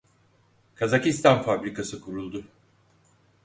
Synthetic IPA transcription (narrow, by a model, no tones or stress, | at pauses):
kʰazacist̪ʰanfabɾikasɯkʰuɾulˠd̪ʊ